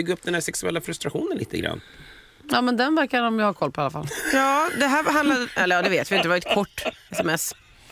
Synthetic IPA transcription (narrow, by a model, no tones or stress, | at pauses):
ʏɡːɵpːd̪ɛnhæɾʂsɛksɵɛ̰lːafɾɵst̪ɾaɧuːnənlḭːt̪ʰə̰ɡɾa̰nː | jɑːmɛnd̪ɛnvæɾkaɔmjahaɾkʰɔlpʰɔalafa̰ljɑːd̪ɛɦæːɾɦand̪lad̪ʔɛlːəɾjɑːd̪ɛveːt̪vɪɪnəɛvaɾɛt̪̚kʰɔʈːɛsɛmɛs